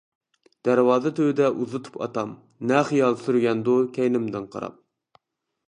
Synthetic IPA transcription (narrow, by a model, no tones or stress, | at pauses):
d̪̥æɾwɑːzɨt̪ʰøwd̪ɛʔuzɨt̪ʰu̥pʰɑ̰t̪ɑm | nɛχijɑlˠsyɾɡʲɛnd̪ukʲʰɛjnɪmd̪ɪnqʰɑ̰ɾɑ̰p̚